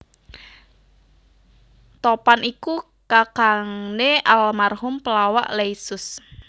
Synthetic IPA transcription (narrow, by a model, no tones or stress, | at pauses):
t̪ɔpaniku | kakaŋneʔalmarhʊmpəlawa̰ʔlejsʊs